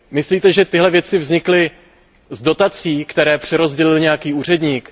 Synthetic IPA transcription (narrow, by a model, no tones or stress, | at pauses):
mɪsliːt̪ɛʒɛt̪ɪɦlɛvjɛt͡sɪvzɲɪklɪ | zdo̞t̪at͡siːkt̪ɛɾɛːpr̝̥ɛɾo̞zɟɛlɪlɲɛjakiːuːr̝ɛdɲiːk